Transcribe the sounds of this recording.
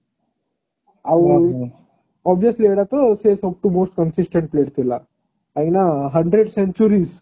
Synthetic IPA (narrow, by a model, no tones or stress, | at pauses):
aʋ | ɔbʋiəslieɽat̪əsesop̚ʈumoːsʈ̚kənsisʈẽɳʈ̚pleːʈ̚t̪ʰila | ajɡnaɦəɳɖɾeɖseɲt͡ʃuɾiːz